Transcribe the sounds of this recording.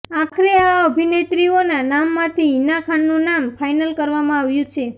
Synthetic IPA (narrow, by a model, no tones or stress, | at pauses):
akʰɾeaəbʱinet̪ɾionanamːãt̪ʰinakʰanːũnamfʰajnəlkəɾʋamãaʋjũt͡ʃʰe